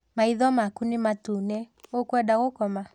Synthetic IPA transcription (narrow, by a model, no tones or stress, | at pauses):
maiðɔmakunimatunɛokwɛdaɣokɔma